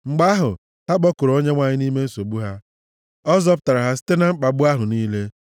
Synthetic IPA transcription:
ŋ͡m̩˨ɡ͡ba˦ɦʊ˨ | ha˦ɡ͡bɔ˦kʊ˨ɾo˦ɲe˦ŋʷa˨ɲɪ˦ni˦me˦n̩˦so˨bu˦ɦa˦ | ɔ˦zɔ˦pʊ̥˨ta˨ɾa˨ɦa˦si̥˦te˦na˦ŋ͡m̩˦k͡pa˨ɡ͡bʊ˦a˦ɦʊ˨niː˦le˦

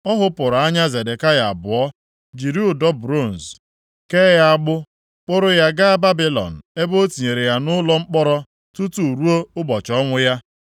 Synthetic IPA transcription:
ɔ˦ɦʊ˦pʊ˨ɾa˦ɲa˦ze˨de˨ka˦ja˨a˨bʊ˨ɔ˦ | d͡ʒi˨ɾi˦ʊ˨dɔ˦b̚ɾo˦˨n̩˨s | ke˦ja˦a˦ɡ͡bʊ˦ | k͡pʊ˦ɾʊ˦ja˦ɡa˦a˦ba˦bi˦lɔ̰˨n̩˨e˦bo˦ti˨ɲe˨ɾe˨ja˦nʊ˦lɔ˦ŋ͡m̩˦k͡pɔ˦ɾɔ˦ | tu˦tu˦˨ɾu˦o˦ʊ˦bɔ˨t͡ʃɔ˦ŋʷʊ˦ja˦

